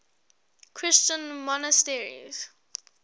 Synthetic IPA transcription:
kʰɹɪst͡ʃə̃nmɔnəstɛɹḭz̥

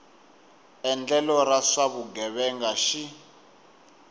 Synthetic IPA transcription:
ɛnd͡ɮɛlɔɾaʂaβuɡɛβɛŋɡaʃi

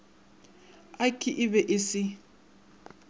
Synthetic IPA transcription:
akʼiʔɪβɛʔɪsɪ

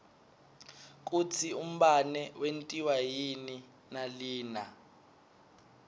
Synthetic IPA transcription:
k̬utʰium̩ɓanɛwentʼiwajini | naliːna

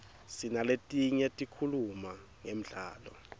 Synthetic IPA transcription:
sinaletʼiɲɛtʼikʰuluma | ŋem̩ɮa̰ːlɔ̰

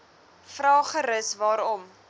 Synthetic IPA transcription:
frɑːχəɾəsvɑːɾɔm

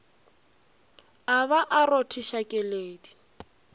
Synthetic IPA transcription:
aβaʔarotʰiʃakʼɛleːdi

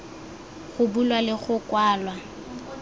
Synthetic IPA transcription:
ɣʊbulwalɪχʊkwaːlwa

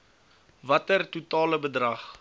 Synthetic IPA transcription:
vɐtərtutɑːləbədrɐχ

